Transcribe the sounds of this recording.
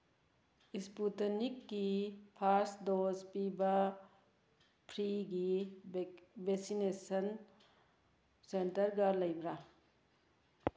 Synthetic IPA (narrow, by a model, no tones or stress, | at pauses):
isputɐnikːipʰaɾsdozpibɐ | pʰɾiɡi | beksinesɐn | sentɐɾɡaɾlɐjbɾa